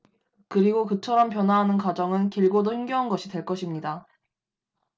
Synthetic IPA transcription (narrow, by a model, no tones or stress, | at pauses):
kɯɾiɡokɯt͡ɕʰʌɾʌmp̬jʌnwaɦanɯnkwad͡ʑʌŋɯnkiɭɡodoɸiŋɡjʌɦanɡʌɕʰitweɭk͈ʌɕʰimɲida